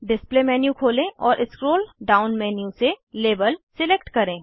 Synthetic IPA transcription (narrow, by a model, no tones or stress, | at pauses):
ɖɪsplemɛːnjukʰoːlẽɔːɾʔɪskɾoːlɖaːʊnmɛːnijuseleːbəlsɪleːkʈkɐɾẽː